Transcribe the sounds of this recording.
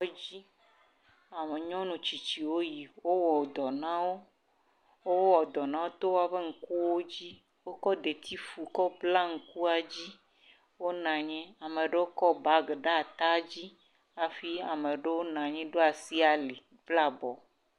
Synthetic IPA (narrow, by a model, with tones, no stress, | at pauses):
ɔ˦d͡ʑi˦ | a˨me˨ɲɔ̃˦nũ˨t͡ɕi˨t͡ɕi˨wo˦ji˨wo˦wɔ˨d̪ɔ˨nã˦wo˦ | wo˦wwɔ˨d̪ɔ˨nã˦wo˦t̪o˦wa˨ɸe˦ŋ̩˨ku˦wo˦d͡ʑi˦ | wo˦kɔ˦d̪e˨t̪ʰi˦fu˨kɔ˦bla˦ŋ̩˨ku˦a˨d͡ʑi˦ | wo˦nã˨ɲɛ̃˦a˨mẽ˨ɖe˦wo˦kɔ˦ba˦ɡe˨ɖa˦˨t̪a˦d͡ʑi˦ | a˨fi˦a˨mẽ˨ɖe˦wo˦nã˨ɲɛ̃˦ɖo˦a˨si˦a˨le˨ | vla˦bɔ˨